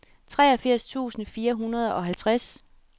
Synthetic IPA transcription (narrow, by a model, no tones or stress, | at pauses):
t͡sʰʁɛ̰ːɐfiɐ̰st͡sʰṵːsn̩fiːɐɦunɐð̞ˠɒ̽ɦælt͡sʰʁas